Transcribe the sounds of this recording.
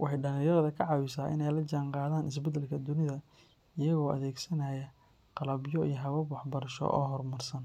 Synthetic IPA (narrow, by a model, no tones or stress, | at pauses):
wʔɑħɑjɖɐnɪjɐɣðɐkʰɐʕɑwɪsaːʔɪ̰nɛjlɐt͡ʃaːɴqɑːðaːnɪs̬bɛd̪ɐlkʰɐd̪ʊnɪðɐ | ɪjɐɣɔːʔɐ̰ðɛːɡsɐnajɐ | qɑlɐbjɔijɔɦɐβɐwɑħbɐɾɐʃɔ̰ʔɔ̰ːɦɔrmɐrsɐn